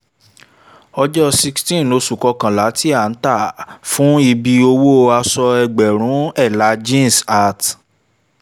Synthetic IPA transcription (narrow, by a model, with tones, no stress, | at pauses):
ɔ˧d͡ʒɔ˦si˧kstĩ˦˨lo˨˧˦su˨kɔ˧kã˨la˨˦ti˦a˨n̩˦ta˦˨fũ˨˦i˧bi˧o˧wo˦a˧sɔ˧ɛ˧ɡ͡bɛ˨ɾ̃ũ˨˦ɛ˦˨la˨˦d͡ʒĩ˦n˨sa˦˨t